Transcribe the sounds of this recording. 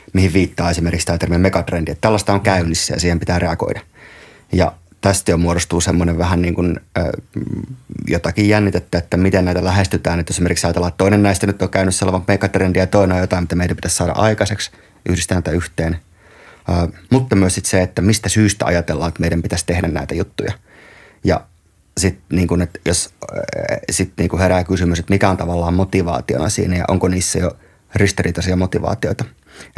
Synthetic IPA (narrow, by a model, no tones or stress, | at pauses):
mihiʋʋiːt̪ːɑːesimerkikst̪ɑːt̪ermiemekɑt̪rend̥iet̪t̪ælːɑst̪ɑoŋkæynːisːæ̰jɑ̰siːhempit̪æːreɑɡo̰idɑ | jɑ̰ | t̪æst̪jomuoɾost̪uːsemːoneʋʋæhænniːŋkun̰ː | jo̰t̪ɑkijjænːit̪et̪ːæet̪ːæmit̪enæit̪ælæhest̪yt̪æːnyt̪esimerksɑjɑt̪elɑt̪t̪oinennæist̪ænyt̪ːokkæynysselːɑʋɑŋmekɑt̪rendijɑt̪oinojjot̪ɑˑimt̪ːæmeidæmpi̥t̪æssɑːɾɑ̰ʔɑikɑseks | ʔyhɾist̪æːnitæyht̪eːnː | mut̪ːɑmyøsit̪seet̪ːæmist̪æsyːst̪æ̰ɑ̰jɑt̪elːɑːet̪meiɾæmpit̪æst̪ehdænnæ̰it̪æjut̪ːujɑ̰ | jɑ̰ | sit̪niːŋkunet̪jos | sit̪niːŋkuheɾækysymyset̪mikæont̪ɑʋɑlːɑːmmot̪iʋɑ̰ːt̪io̰nɑ̰sḭːnæjɑ̰ʔo̰ŋkoniːsːæjo | rist̪irit̪ɑsiɑmot̪iʋɑ̰ːt̪ioit̪ɑ